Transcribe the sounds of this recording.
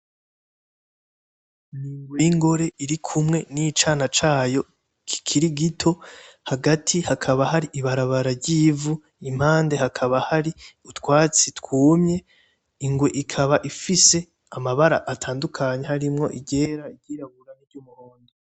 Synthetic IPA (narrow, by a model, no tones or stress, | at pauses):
niːŋɡwejiŋɡo̞ɾe̞ʔiɾikʰumŋe̞nit͡ʃaːnat͡ʃaːjo̞ | kʰi̥kʰiɾiɡitʰo̞haɡatʰihakʰaβahaɾiʔiβaɾaβaɾaɾɟiːvu | im̥haːnde̞hakʰaβahaɾiutwaːt͡sitkuːmɲe̞ | iŋɡweʔikʰaβaʔifise̞ | amaβaɾa̰ʔːtʰaːndukʰaɲe̞haɾimŋo̞̰ʔiɟe̞ɾaiɟiːɾaβuɾaniɾɟuːmuhoːnde